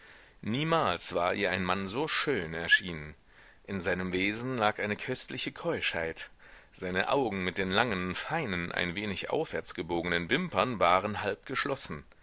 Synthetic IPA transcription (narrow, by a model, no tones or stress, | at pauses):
niːmaːlsv̥aːɐʔiːɐaɪnmanzoːʃøːnɛɐʃiːnən | ʔɪnzaɪnəmveːzn̩laːkʔaɪnəkʰœstlɪçəkʰɔʏʃha̰ɪt | z̥aɪnə̰ʔa̰ʊɡŋ̩mɪt̚d̥eːnlaŋənfaɪnənʔa̰ɪnveːnɪçʔa̰ʊfv̥ɛɐt͡sɡ̥əboːɡənənvɪmpɐnvaːʁənhalp̚ɡ̥əʃlɔsn̩